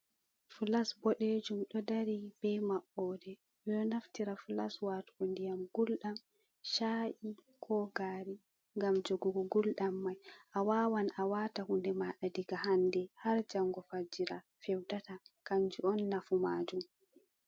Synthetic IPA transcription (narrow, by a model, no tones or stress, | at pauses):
fulasbɔɗed͡ʒumɗɔdaɾib̥ɛmaɓɔːdɛ | wɛɗɔnaftiɾafulaswatkondijamɡulɗam | ʃaːʔi | kʰɔɡaːɾi | ŋɡamd͡ʒoɡuɡuɡulɗamːajʔawaːwanʔawatahundɛmaɗadiɡahandɛhaɾd͡ʒaŋːɡɔfad͡ʒiɾa | fɛwtatakaɲd͡ʒuɔnːafumaːd͡ʒum